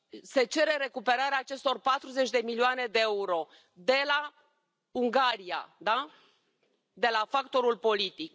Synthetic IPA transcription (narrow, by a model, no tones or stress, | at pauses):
se̞t͡ʃe̞ɾe̞ɾe̞kupe̞ɾaɾeaːt͡ʃe̞st̪o̞rpat̪ɾuze̞t͡ʃʲd̪e̞milioane̞d̪e̞euɾo̞ | d̪e̞la | uŋɡaɾia̰d̪a | d̪e̞lafakt̪o̞ɾulpo̞lit̪ik